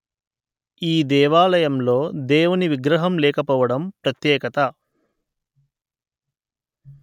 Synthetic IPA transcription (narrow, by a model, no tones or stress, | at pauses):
iːd̪ɛːʋaːlɐjɐmlo̞ːd̪eːʋuniʋiɡɾɐɦɐmlɛːkɐpɔːʋɐɽɐmpɾɐt̪jɛːkɐt̪ɐ